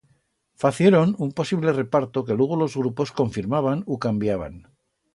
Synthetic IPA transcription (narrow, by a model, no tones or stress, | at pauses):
faθje̞ɾo̞numpo̞siβle̞re̞paɾt̪o̞ke̞lweɣ̞olo̞zɣɾupo̞sko̞ɱfiɾmaβanukambjaβa̰n